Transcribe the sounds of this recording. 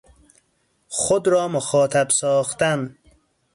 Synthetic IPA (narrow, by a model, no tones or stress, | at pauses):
χʊd̪ɾɔːmʊxɔːt̪ʰabsɔːxt̪an